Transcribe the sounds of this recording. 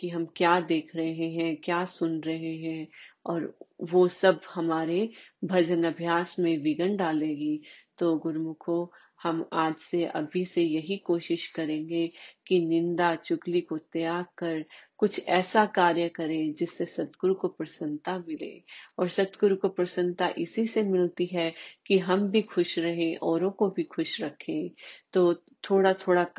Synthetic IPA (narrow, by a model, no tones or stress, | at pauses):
kiɦɐmkjaːd̪eːkʰɾɐɦeɦeɦɛ̃kjaːsʊnɾɐɦeɦɛ̃ɔːɾʋosɐbhɐmaːɾebʱɐd͡ʒənɐbʱjaːsmẽʋɪɡəɳɖaːlẽːɡit̪oːɡʊɾmʊkʰo | hɐmaːd͡ʒseʔɐ̰bʱisejɐɦikoːʃɪʃkɐɾẽːɡekinɪ̃nd̪at͡ʃʊklikot̪ɐjaːkɐɾkʊt͡ʃʰɛːsakaːɾjəkɐɾẽd͡ʒɪsːesɐt̪ɡʊɾukopɾɐsə̃nt̪amɪlḛ̃ːɔːɾsɐt̪ɡʊɾukopɾɐsə̃nt̪aʔɪsisemɪlt̪iɦɛkiɦɐmbʱixʊʃɾɐɦẽʔɔːɾõkobʱixʊʃɾɐkʰẽːt̪oː | t̪ʰoːɽat̪ʰoːɽa